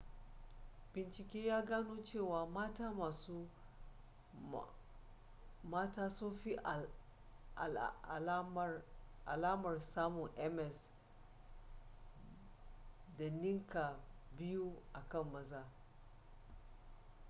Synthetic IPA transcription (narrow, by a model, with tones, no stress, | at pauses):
bɪ˨nt͡ʃɪ˨kʲeː˦jaː˦ɡaː˦noː˦t͡ʃeː˦˨waː˨maː˦taː˦maː˨su˦ | maː˦taː˦sʊ˦ɸi˦ʔ | ʔa̰˨laː˦mɐ˨rsaː˦mʊ˨ŋʔɛ˦mɛ˨s | da˨nɪ˦ŋka˨bɪ˦ju˦ʔa˨kɐ˦˨mːɐ˦zaː˦